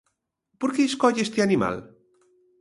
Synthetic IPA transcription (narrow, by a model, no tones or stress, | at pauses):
poɾkeːskɔʎest̪eanima̰l